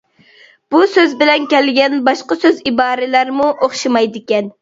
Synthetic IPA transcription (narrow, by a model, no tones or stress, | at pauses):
b̥usøzbɪlɛnkʲɛlɡʲɛnbɑʃqɑsøzibɑːɾɪlæɾmuʔoχʃɨmɑjd̪ɪkʲɛn